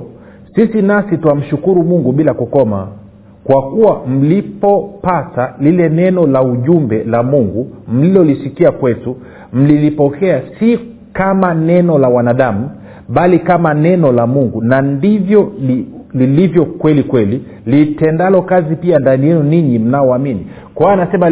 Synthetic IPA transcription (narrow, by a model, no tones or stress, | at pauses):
sisinasituam̩ʃukuɾumuŋɡuɓilakukɔma | kwakuwam̩lipɔpatalilɛnɛnɔlauʄumbɛlamuŋɡum̩lilɔlisikiakwɛtu | m̩lilipɔkɛasi | kamanɛnɔlawanaɗamu | ɓalikamanɛnɔlamuŋɡunandivjɔlililivjɔkwɛlikwɛli | litɛndalɔkazipiandanijɛnuniɲim̩naɔamini | kɔaanasɛma